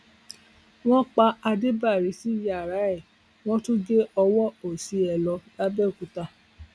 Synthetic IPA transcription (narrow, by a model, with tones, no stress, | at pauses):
w̃ɔ̃˦k͡pa˧a˧de˦ba˦˨ɾi˨˦si˨˦ja˨ɾa˨˦ɛ˦˨ | w̃ɔ̃˦tu˦ɡe˦ɔ˧wɔ˦o˨si˨˧˦ɛ˨lɔ˧ba˦bɛ˦˨ku˨ta˧˨